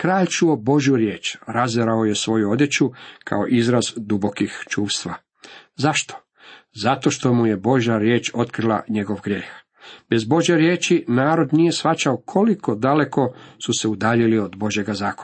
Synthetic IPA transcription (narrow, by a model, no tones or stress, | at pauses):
kɾaːʎt͡ʃuobo̞ʒjuɾje̞ːt͡ʃɾazeɾao̞je̞sʋo̞juo̞d̪je̞t͡ɕukʰa̰o̞ʔizɾazd̪ubo̞kixt͡ʃuːʋst̪ʋa | zaʃt̪o̥ | zat̪o̞ʃt̪o̞muje̞bo̞ʒjaɾje̞ːt͡ʃo̞t̪kɾilˠa̰ɲe̞ɡo̞ʋɡɾjeːx | b̥e̞zbo̞ʒjeɾjeːt͡ʃinaːɾo̞d̪nije̞sxat͡ʃaokʰo̞likʰo̞d̪ale̞ko̞suse̞ud̪aːʎilio̞d̪bo̞ʒje̞ɡazaːko̥